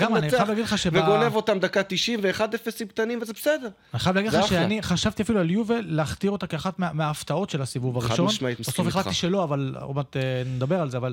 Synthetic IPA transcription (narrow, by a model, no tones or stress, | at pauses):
ɡamaniajavlaːɡidleχaʃeveɡonevo̞t̪amd̪akat̪iʃimveːχad̪efesimk̚t̪animvezebesed̪eʁ | aniχajavlaɡidlaʃeaniχaʃavt̪iafilualjuveːeaχt̪iʁo̞t̪akeaχat̪meameaːft̪ao̞tʃe̞lasivuvaʁiʃʃo̞naitbesofelatt̪ːiʃelo̞aval̰mat̪ened̪abe̞ʁalzeaval